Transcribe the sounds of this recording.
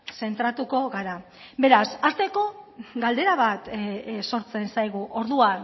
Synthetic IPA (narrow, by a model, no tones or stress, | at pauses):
se̞nt̪ɾat̪uko̞ɣaɾa | be̞ɾasast̪e̞ko̞ɡald̪e̞ɾaβat̪so̞ɾt͡se̞nsajɣ̞uʔo̞ɾðuan